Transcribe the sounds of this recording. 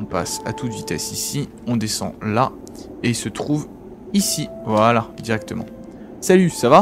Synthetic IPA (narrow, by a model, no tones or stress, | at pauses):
ɔ̃pa̰sa̰t̪uvit̪ɛsisi | ɔ̃d̪esɑ̰̃la | eilsət̪χuv | isivalad̪iʁɛk̚t̪əmɑ̰̃ | salysava